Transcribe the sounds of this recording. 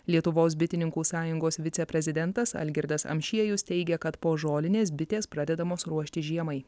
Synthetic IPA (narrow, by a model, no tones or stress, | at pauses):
lʲiɛt̪ʊʋoːs̬bʲɪt̪ʲɪnʲɪŋkuːsɑːjʊŋɡoːsʋʲɪt̪sʲɛpʲɾʲɛzʲɪd̪ʲɛnt̪ɐsɐ̰lʲɡʲɪɾd̪ɐsɐ̰mʲʃʲiɛjʊst̪ʲɛɪɡʲɛkɐt̪poːʒoːlʲɪnʲeːs̬bʲɪt̪ʲeːspɾɑːd̪ʲɛd̪ɐmoːsɾuɔʃʲt̪ʲɪʒʲiɛmɐɪ